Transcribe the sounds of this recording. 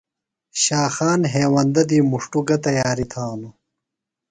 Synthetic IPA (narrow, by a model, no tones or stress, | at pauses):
ɕaːxaːnɦeːwɐnd̪ɐd̪iːmuʂʈuɡɐt̪ɐjaːɾit̪ʰaːnu